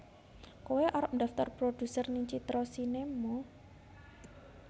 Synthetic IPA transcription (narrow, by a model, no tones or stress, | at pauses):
koweʔɔɾɔp̚nd̪̥ä̤ft̪ɔrpɾod̪̥ṳsərniɲt͡ʃit̪ɾɔsinemɔ